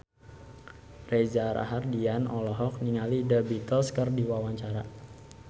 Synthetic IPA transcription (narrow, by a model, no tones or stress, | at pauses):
rezaɾa̰ɦardianɔlɔɦɔk̚niŋalidəbit̪ɔlskərdiwawaɲt͡ʃaɾa̰